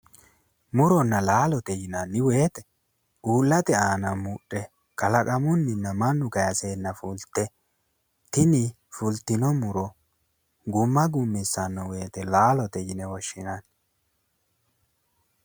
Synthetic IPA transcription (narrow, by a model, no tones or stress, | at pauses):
mʊɾɔnːɐlaːlɔt̪ɛjɪnanːɪwe̞ːt̪ɛ̥ | uːlːɐt̪ɛaːnɐmʊɗɛ | kɐlɐkʼɐmʊnːɪnːɐmɐnːʊkɐjɐseːnːɐfʊlt̪ːɛ | t̪ɪnɪ | fʊlt̪ɪnɔmʊɾɔ | ɡʊmːɐɡʊmːɪsːɐnːɐwe̞ːt̪ɛlaːlɔt̪ɛjɪnɛwɔʃːɪnan